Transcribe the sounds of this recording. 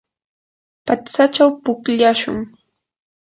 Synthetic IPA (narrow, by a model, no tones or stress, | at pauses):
pat͡sat͡ʃawpʊkʎaʃʊ̰ŋ